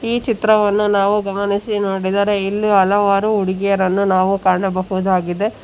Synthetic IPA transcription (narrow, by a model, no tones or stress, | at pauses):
iːt͡ʃit̪ɾɐʋɐnːunaːʋuɡɐmɐnisinoːɽid̪aːɾeilːiɐlɐʋaːɾuuɽiɡɛjɐɾɐnːunaːʋukaːɾɳɐbɐɦud̪aːɡid̪e̞